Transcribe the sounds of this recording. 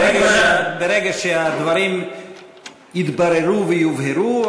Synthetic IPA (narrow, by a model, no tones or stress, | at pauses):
eɡaʃbeɾeɡaʃead̪vaɾim | jit̪baɾeɾuvejuvheɾu